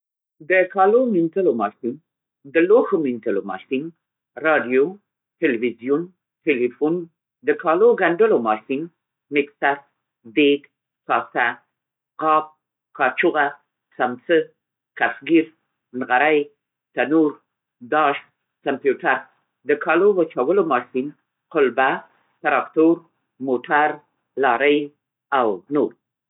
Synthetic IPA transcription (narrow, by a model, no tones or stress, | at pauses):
d̪əkɑlomɪntəlomɑsɪŋ | d̪əloxomɪnt̪əlomɑ̰ʃsɪŋɡ | ɾɑɖijo | ʈelwizjun | ʈelifun | d̪əkɑloɡaɳɖəlomɑsɪŋ | mɪksaɾ | d̪eɡ | kɑsa | qɑːp̚ | kɑt͡ʃuɣa | samt͡sə | kasɡiɾ | nɣaɾaj | t̪anuɾ | d̪ɑʃ | kampjuʈaɾ | d̪əkʰɑlowət͡ʃawəlomɑʃin | qʊlba | t̪aɾɑkt̪oɾ | moʈʰaɾ | lɑɾəj | awnoɾ